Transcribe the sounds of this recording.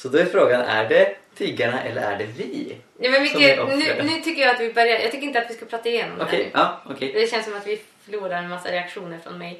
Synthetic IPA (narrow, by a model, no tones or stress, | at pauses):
sɔd̪ɔɛɾfɾoːɡanæ̰ɖɛt̪ʰyːɡaɳaʔɛ̰lːə̰ɾæ̰ɖɛvɪ | juːmɛnvɪsnʉnʉ̟ːt̪ʰʏkːəjaat̪vɪbœɾjaɾjɑːɡt̪ʰʏkːɾɪnat̪vʋɪskalpɾɑːt̪ːaɪjeːnɔ̰mdok̪ɛɛɑːɔkʰɛd̪ɛɕɛnsːɔmat̪ʋɪfœɭuːɾaɾmasːa̰ɾɛakʂuːnəɾfɾɔ̰nmɛj